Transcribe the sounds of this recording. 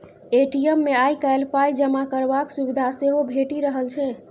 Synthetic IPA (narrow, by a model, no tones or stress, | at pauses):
eʈijəmːeajkajlpajd͡ʒəmakəɾbaksuβid̪ʱaseɦobʱeʈiɾəɦəlt͡ʃʰɛ